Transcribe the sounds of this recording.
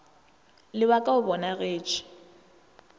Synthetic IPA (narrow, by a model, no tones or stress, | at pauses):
lɪβakʼaʊbɔnaɣeːt͡ʃʰɪ̥